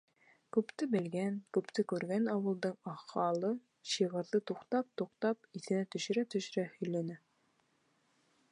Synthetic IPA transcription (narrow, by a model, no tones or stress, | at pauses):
kʉpt̪ɘbɘ̆lɡænkʉpt̪ɘkʉɾɡænɑwɤ̆lˠd̪ɤɴɑχɑlˠɤ | ɕɤʁɤ̆ɾðɤt̪uqt̪ɑp̚t̪uqt̪ɑpiθɘ̆næt̪ɵ̆ʃɘ̆ɾæt̪ɵ̆ʃ̆ɾæhɵ̆jlænæ